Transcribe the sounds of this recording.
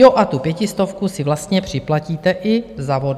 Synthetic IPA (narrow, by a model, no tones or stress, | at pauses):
oʔat̪upjɛcɪst̪o̞fkusɪvlast̪ɲɛpr̝̥ɪplaciːt̪ɛʔɪzavod